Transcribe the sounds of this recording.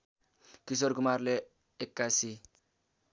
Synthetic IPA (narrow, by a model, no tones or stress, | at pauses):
kis̬oɾkumaɾle | ekːasi